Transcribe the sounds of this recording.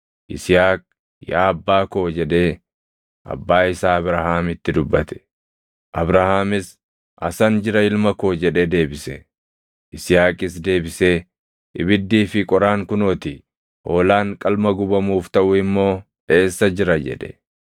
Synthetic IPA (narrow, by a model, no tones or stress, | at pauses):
ʔɪsɪjaːk̚ʼ | jaːɐbːaːkoːd͡ʒɛᶑe̞ː | ʔɐ̰bːaːɪsaːɐbɾahaːmɪt̪ːɪd̪ʊbːɐt̪ɛ̥ | ʔɐbɾahaːmɪs | ʔɐ̰sɐnd͡ʒɪɾɐɪlmɐkoːd͡ʒɛᶑeːd̪e̞ːbɪsɛ | ʔɪsɪjaːkʼɪs̬d̪e̞ːbɪseː | ɪbɪd̪ːiːfɪkʼɔɾaːŋkʊnɔt̪ɪ | ʔoːlaːŋkʼɐlmɐɡʊbɐmuːft̪ɐʔʊɪmːo̞ː | e̞ːsːɐd͡ʒɪɾɐd͡ʒɛ̰ᶑɛ̥̰